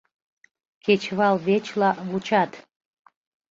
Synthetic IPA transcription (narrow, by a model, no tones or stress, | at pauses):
kʰet͡ɕβɑlβet͡ɕlɑβut͡ɕɑt̪